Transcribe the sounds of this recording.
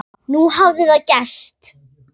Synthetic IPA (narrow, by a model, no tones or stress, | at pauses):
nuɦavðɪðaðcɛst̪